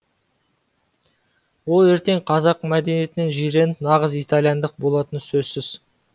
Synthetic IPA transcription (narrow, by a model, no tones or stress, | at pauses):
wo̞lˠeɾt̪e̞ŋqʰɑzɑqmæd̪e̞nije̞t̪ɪnenʒijɾe̞nɪpnɑʁəzijt̪alˠijɑnd̪əq̚bo̞lˠɑt̪ənsɵzsɪz